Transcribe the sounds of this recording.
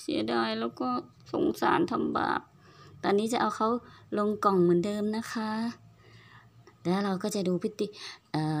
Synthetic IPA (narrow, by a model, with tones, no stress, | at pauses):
sḭ˩˦ɐdaː˧˩jlɛː˧˥˩wkɔː˧˥˩ | so̰˨˦ŋsa̰ː˨˦nt̪ʰa˧mba̰ː˨˩t̪̚ | t̪ɔː˧nːiː˦˥˩t͡ɕa˨˧˩ʔa˧wxʰa˦˥wlo˧ŋkɔ˨˩ŋmɯ˨˩˦ndɤː˧mna˦˥kʰa˦˥ | lɛː˦˥˩la˧wkɔː˥˩t͡ɕa˨˩duː˧pʰi˦˥˩t̪ːi˧˩ʔaː˨˩